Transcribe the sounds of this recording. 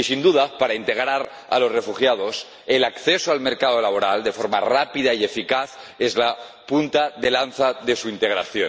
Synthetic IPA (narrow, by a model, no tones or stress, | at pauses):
isind̪uðapaɾaint̪e̞ɣ̞ɾaɾ | a̰lo̞zre̞fuxjað̞o̞s | elakθesoalme̞ɾkað̞o̞laβ̞o̞ɾald̪e̞fo̞ɾma̰rapiðaie̞fikaθ | ezla | punt̪aðe̞lanθaðe̞suint̪e̞ɣɾaθjo